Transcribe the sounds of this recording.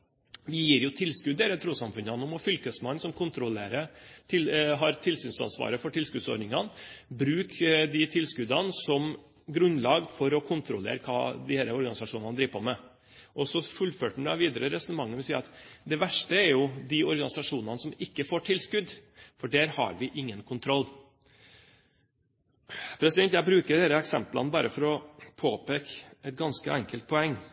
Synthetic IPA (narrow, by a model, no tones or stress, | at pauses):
ʋɪjiːɾjʊt̪ʰɪlskʉd̪eːɾət̪ʰɾuːsɑmfʉnɑnːʊmɔfʏlkəsmɑnːsɔmkʰʊnt̪ɾɔlḛːɾət̪ʰɪlɦɑɾt̪ʰɪlsyːnsɑ̰nsʋɑ̰ːɾəfɔʈʰɪlskʉd̪sɔ̰ɖnɪŋɑnbɾʉːkd̪ɪt̪ʰɪlskʉd̪ɑnsɔm | ɡɾʉnːlɑːɡfɔɾɔkʰʊnt̪ɾɔlḛːɾkʰɑ̰ːd̪ɪhæːɾəɔɾɡɑnɪsɑʂuːnɑnəd̪ɾiːʋpʰɔmɛ | ʔɔsɔfʉlføːʈɳɑʋiːd̪əɾəɾɛsʉnəmɑŋːəʋɪsiːɾɑt̪d̪ɛʋæʂʈəɛɾjʊd̪ɪɔɾɡɑnɪsɑʂuːnɑnəsɔmɪkːəfoːʈʰɪlskʉd̪fɔɖæɾhɑ̰ɾʋɪʔɪŋːənkʰʊnt̪ʰɾɔlː | pʰɾɛsɪd̪ɛnt̪jæɪbɾʉːkəɖæːɾəɛksɛmplɑ̰nbɑːɾəfɔɾɔpʰoːpeːkɛt̪̚ɡɑnskəʔɛŋkəlt̪̚pʰɔɛŋː